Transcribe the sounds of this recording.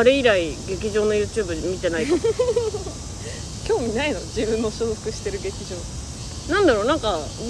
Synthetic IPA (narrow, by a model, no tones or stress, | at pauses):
aɾe̞iɾaiɡe̞kʲiʑo̞ːno̞jɯ̟ːt͡ɕɨːbɯ̟mʲit̪e̞nait̪o | kʲo̞ːmʲinaino̞d͡ʑibɯ̟̃nːo̞ɕoːɸɯ̟̥kɯ̟ɕi̥t̪e̞ɾɯ̟ɡe̞kʲiʑo̞ː | nãnd̪aɾoːnãŋka